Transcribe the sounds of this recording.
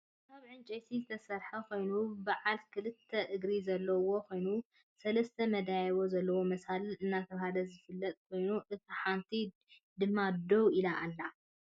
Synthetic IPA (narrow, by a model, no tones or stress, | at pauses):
kʰaβʕɨnt͡ʃʼejt̪ʰizɨt̪ʰɐsɐɾħɐkʰo̞jnubaʕalkʰɨlɨt̪ʰːɐʔɨɡɾizɐlːɐwo̞kʰo̞jnu | sɐlɐst̪ʰɐmɐd̪ajwo̞zɐlːɐwo̞mɐsalɨnːat̪ʰɐβhalɐzɨfɨlːɐt̪ʼkʰo̞jnuʔɨt̪ʰiħant̪ʰi | d̪ɨmːad̪owilaʔalːa